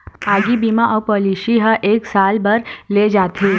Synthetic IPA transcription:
aːɡibimaʔɔwpoliʃiɦəʔeːksaːlbəɾled͡ʒaːt̪ʰe

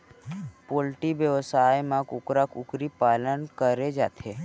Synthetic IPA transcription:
poːlʈibjəʋəsaːjmãkʊkɾakʊkɾipaːlənkəɾed͡ʒa̰ːt̪ʰe

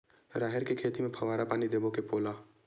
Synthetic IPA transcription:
ɾaːɦɪɾkekʰeːt̪imẽpʰəʋaːɾapaːnid̪eːbokepoːlaː

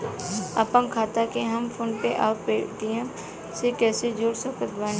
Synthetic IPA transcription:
apənkʰaːt̪akeɦɐmpʰoːnpeʔaːɾpeːʈ̪iɦɛ̃ | sekɛːsed͡ʒoːɽsəkət̪baːn

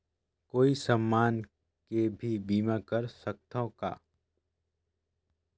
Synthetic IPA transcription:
koːisəmːaːn | kebʱibiːmakəɾsɐk̚t̪ʰõka̰ː

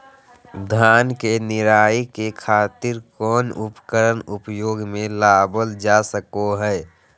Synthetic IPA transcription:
d̪ʱaːnkenɪɾaːikekʰaːt̪ɪɾkɔːnʊpkəɾənʊpjoːɡmẽlaːbəld͡ʒasəkoɦɛ

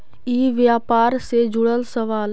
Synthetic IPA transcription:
iːʋjaːpaːɾsed͡ʒʊɽəlsəʋaːl

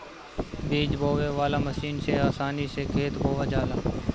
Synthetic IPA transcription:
biːd͡ʒbʱoːʋeːʋaːlaːməsiːnseːaːsaːniːseːkʰeːt̪bʱoːʋaːd͡ʒaːlaː

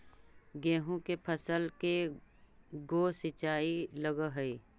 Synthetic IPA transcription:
ɡɛ̃ːɦũkepʰəsəlke | ɡoːsɪt͡ʃaːiləɡəɦəi

